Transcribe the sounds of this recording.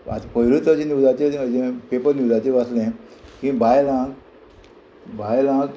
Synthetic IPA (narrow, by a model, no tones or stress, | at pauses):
a̰t̪pəjɾut̪əd͡ʑẽniwd̪at͡ɕeəd͡ʑẽpepəɾniwd̪at͡ɕeʋaslẽkĩbajlãɡ | bajlãɡ